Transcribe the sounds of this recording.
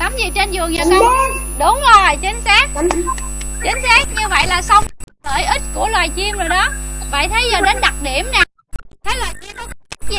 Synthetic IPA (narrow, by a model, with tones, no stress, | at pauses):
t̪a˨˦mzi˨˩t͡ɕe˧nzɨ˨˩əŋza˨˩kə˧˦wɗʊ˨˦ŋ͡mzo˨˩jt͡ɕï˨˦ŋ̟saː˦˥k̚ | t͡ɕi˨˦ŋ̟saː˦˥k̚ɲɨ˧və̰˧˨jlaː˨˩sa˧wŋ͡mlə̰ː˧˩jʔï˦˥t̚ku˧˩əlwaː˨˩jt͡ɕi˧əmzo˨˩jɗɔ˨˦va̰ː˧˨jt̪ʰə˨˦jzəː˨˩ɗe˨˦nɗa˨˩t̚ɗi˧˩əmnaː˨˩ | t̪ʰə˨˦jlwaː˨˩jt͡ɕi˧əmɗka˦˥zi˨˩